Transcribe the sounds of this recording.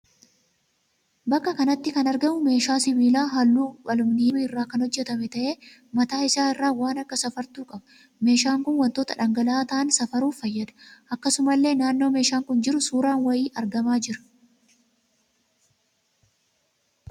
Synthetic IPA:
bɐkːɐkɐnɐt̪ːɪkɐnɐɾɡɐmʊme̞ːʃaːsɪbiːlaːɦɐlːuːbɐlʊmnɪɪmɪrːaːkɐnhɔd͡ʒːɛt̪ɐmɛt̪ɐʔe̞ː | mɐt̪aːɪsaːɪrːaːwaːnɐkːɐsɐfɐɾt̪uːkʼɐbɐ̥ | me̞ːʃaːŋkʊnwɐnt̪o̞ːt̪ɐᶑɐŋɡɐlaːt̪ɐʔɐnsɐfɐɾuːfɐjːɐd̪ɐ̥ʔɐkːɐsʊmɐlːe̞ːnaːnːo̞ːme̞ːʃaːŋkʊnd͡ʒɪɾʊsuːɾaːnwɐjiːʔɐɾɡɐmaːd͡ʒɪɾɐ̥

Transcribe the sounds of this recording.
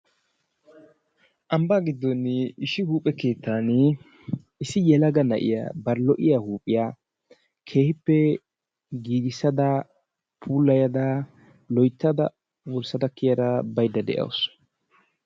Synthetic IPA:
ʔɐmbaːɡɪd̪ːɔnːɪɪʃɪhuːpʼːɛke̞ːt̪ːaːn | ɪsɪjɛlɐɡɐnɐ̰ʔɪ̰ja̰ːbɐɾlɔʔɪjahuːpʼːɪjaː | kʰe̞ːhɪpːɛ | ɡiːɡɪsːɐd̪ɐ | pʰuːlːɐjɐd̪a | lɔjt̪ːɐd̪ɐ | wɔlsɐd̪ɐkːɪjɐd̪ɐbɐjd̪ːɐd̪ɛ̰ʔɐ̰ws

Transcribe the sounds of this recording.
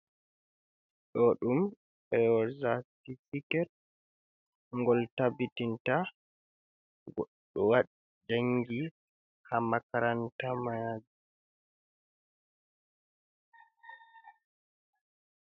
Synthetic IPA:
ɗɔɗum | ɓɛɔzatifikɛt̚ | ŋɡɔltabitinta | ɡɔɗ | ɔwaɗi | d͡ʒaŋɡi | hamakaɾantamad͡ʒu

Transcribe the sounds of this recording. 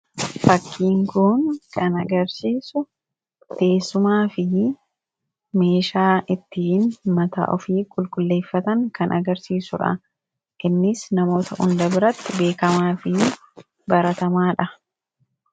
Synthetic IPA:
fɐkʰːiːŋkʊnkʰɐnɐɡɐɾsiːsʊ | t̪e̞ːsːʊmaːfɪ | me̞ːʃaːʔɪt̪ːiːnmɐt̪a̰ːʔɔfiːkʼʊlkʼʊlːe̞ːfːɐt̪ɐŋkɐnʔɐɡɐɾsiːsʊᶑɐ̰ | ʔɪnːɪsnɐmo̞ːt̪ɐʔʊnd̪ɐbɪɾɐt̪ːɪbe̞ːkɐmaːfɪ | bɐɾɐt̪ɐmaːᶑɐ

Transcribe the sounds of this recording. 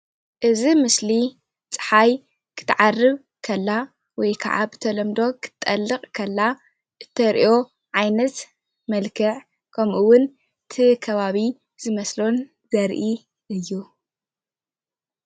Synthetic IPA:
ʔɨzimɨsli | t͡sʼɨ̥ħaj | kʰɨ̥t̪ʰːɨʕarːɨβ | kʰɐlːa | wɔjkʰa̰ʕa̰bɨt̪ʰɐlɐmd̪o̞kʰɨ̥t̪ʼːɐlːɨqʼkʰɐlːa | ʔɨt̪ʰːɐɾʔo̞ | ʕajnɐt̪ | mɐlkʰɨʕ | kʰɐmʔuwʊn | t̪ʰikʰɐβaβi | z̥ɨmɐslo̞n | zɐɾʔi | ʔɨjːu

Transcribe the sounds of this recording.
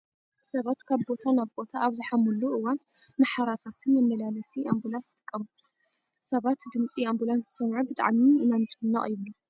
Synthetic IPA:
sɐβat̪kʰaβbo̞t̪ʰanaβbo̞t̪ʰaaβzɨħamulːuʔɨwan | maħaɾasat̪ʰɨnmɐmːɐlalɐsiʔambulasɨt̪ʼɨkʼːɐmut̪u | sɐβat̪d̪ɨmt͡sʼiambulanszɨt̪ʰsɐmʕubɨt̪ʼa̰ʕmiɨnant̪ʰʼɨmɨnːa̰ʔʼjɨβlu

